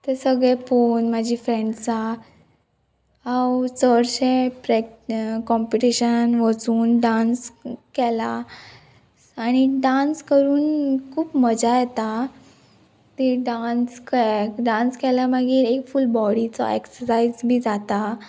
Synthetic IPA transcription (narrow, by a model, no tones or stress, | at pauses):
t̪ɛsəɡɭɛ̃ponmad͡ʑʱiːfɾẽɳɖt͡sa | awt͡səɾɕẽpɾekkɔmpiʈiɕənʋət͡suːnɖanskɛla | aɽ̃iɖãnskəɾuːnkʰuːpməd͡zajɛt̪a | t̪iɖanskɖãnskɛlamaɡiːɾekfulbɔɽit͡sɔ̰eksəsaid͡zbʱiːd͡zat̪a